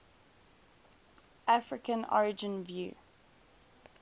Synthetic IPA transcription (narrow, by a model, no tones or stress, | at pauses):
ʔafɹɪkə̃nɔ̰ɹɪd͡ʒə̃nvjṵː